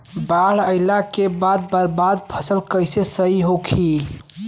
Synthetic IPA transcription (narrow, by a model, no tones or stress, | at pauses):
baɽəɪlakebad̪̚bəɾbad̪̚pʰəsəlkəjsesəiɦokʰi